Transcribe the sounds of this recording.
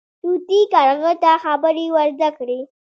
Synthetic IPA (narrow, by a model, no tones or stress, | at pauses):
t̪ut̪ikaɾɣət̪axabəɾiwəɾd̪akɽi